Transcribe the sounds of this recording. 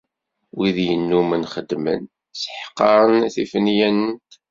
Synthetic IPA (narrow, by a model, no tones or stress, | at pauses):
wiðjənːumənχəd̪mə̰n | sə̥ħqːɑɾˤənθifənjænənt̪